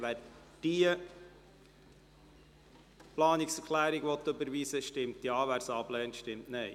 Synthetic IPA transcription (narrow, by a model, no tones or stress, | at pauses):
ʋæːɾ | d̥iə | plɑːnɪksɛɾkʰlæːɾiɡʋɔt̪ːɵbəɾʋiːsəʃtɪmtjɑːʋæːɾsɑb̥lɛːntʃtɪmtnɛɪ